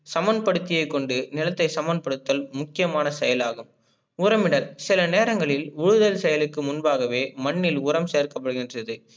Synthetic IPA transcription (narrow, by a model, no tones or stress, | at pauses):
sɐmɐnpɐɽɯt̪ːɪjɐɪkːɔɳɖɯnɪlɐt̪ːɐɪsɐmɐn̚pɐɽɯt̪ːɐlmʊkːɪjɐmaːnɐsɛjɐlaːɣɯm | ʊɾɐmɪɽɐlsɪlɐneːɾɐŋɡɐɭɪlʊɻʊðɐlsɛjɐlɯkːɯmʊnbaːɣɐʋeːmɐɳːɪlʊɾɐmseːrkɐpːɐɽɯɣɪndrɐðɯ